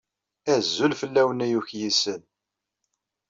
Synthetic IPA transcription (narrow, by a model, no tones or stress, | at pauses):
æzːulfəlːæwənæjuçjisən